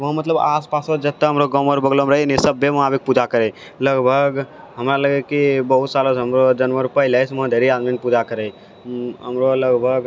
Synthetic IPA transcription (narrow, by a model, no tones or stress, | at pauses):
ʋəɦmət̪ləbaːspaːsod͡ʒɐt̪ːaɦɐmɾoɡəməɾbəɡlomɾəɦenĩsəbːemɐɦaːbɪk̚pud͡ʒakəɾe | ləɡbʱəɡ | ɦəmɾaləɡekibəɦut̪saːlosɦəmɾod͡ʒənʋəɾʊpəjləsʋɐ̃ɦd̪ʱeːɾiaːd̪minpud͡ʒakəɾe | ɦəmɾoləɡbʱəɡ